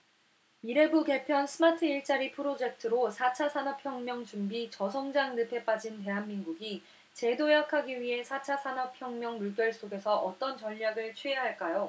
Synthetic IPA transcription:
iɾe̞buke̞pʰjʌnsʰɯmatʰɯiɭt͡ɕ͈aɾipʰɯɾod͡ʑe̞k̚tʰɯɾosʰat͡ɕʰasʰanʌpʰjʌŋmjʌŋt͡ɕumbit͡ɕʌs̬ʰʌŋd͡ʑaŋnɯpʰe̞p͈ad͡ʑint̬e̞ɦanminɡuɡi | t͡ɕe̞dojakʰaɡiɥiɦe̞sʰat͡ɕʰasʰanʌpʰjʌŋmjʌŋmuɭk͈jʌɭs͈oɡe̞sʰʌʔʌt͈ʌnt͡ɕʌʎːaɡɯɭt͡ɕʰɥieɦaɭk͈ajo

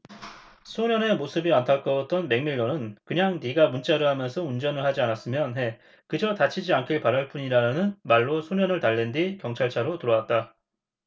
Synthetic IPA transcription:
sʰoɲjʌne̞mosʰɯbiantʰak͈ʌʌt̚t͈ʌnme̞ŋmiɭːonɯnkɯɲaŋniɡamunt͡ɕ͈aɾɯɭhamjʌnsʰʌund͡ʑʌnɯɭhad͡ʑianas͈ɯmjʌnɦe̞ | kɯd͡ʑʌtat͡ɕʰid͡ʑiankʰiɭpaɾaɭp͈uɲiɾanɯnmaɭːosʰoɲjʌnɯɭtaɭːendikjʌŋt͡ɕʰaɭt͡ɕʰaɾotɯɾʌwat̚t͈a

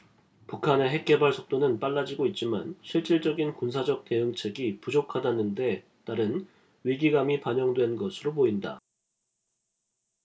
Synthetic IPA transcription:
pukʰane̞ɦe̞k̚k͈e̞baɭsʰʌk̚t͈onɯnp͈aɭːad͡ʑiɡoit̚t͡ɕ͈ima̰nɕʰiɭt͡ɕ͈iɭt͡ɕ͈ʌɡinkunsʰad͡ʑʌk̚te̞ɯŋt͡ɕʰe̞ɡipud͡ʑokʰadanɯnde̞ | t͈aɾɯn | ɥiɡiɡamipaɲʌŋdwe̞nɡʌsʰɯɾopoinda̰

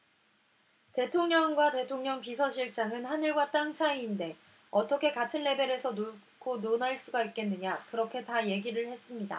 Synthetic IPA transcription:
te̞tʰoŋɲʌŋɡwate̞tʰoŋɲʌŋpisʰʌɕʰiɭt͡ɕ͈aŋɯnhanɯɭɡwat͈aŋt͡ɕʰaiːnde̞ | ʌt͈ʌkʰe̞katʰɯnːe̞be̞ɾe̞sʰʌnok͈ʰononaɭs͈uɡaik̚k͈e̞nːɯɲakɯɾʌkʰe̞taje̞ɡiɾɯɭhe̞s͈ɯmɲida̰

